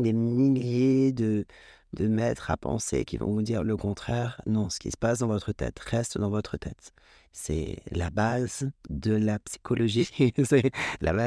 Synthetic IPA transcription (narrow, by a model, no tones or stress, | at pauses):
d̪emiljed̪ə | d̪əmɛt̪χa̰pɑ̰̃sḛkʲivɔ̰̃vud̪iʁləkɔ̃t̪χɛʁnɔ̃sə̥kʲḭsə̥pasd̪ɑ̃vɔt̪χət̪ɛ̰t̪ʁɛst̪d̪ɑ̃vɔt̪χət̪ʰɛt̪ | sɛ̰labazd̪əlapsi̥kʰɔlɔʒiusajelʔa̰ba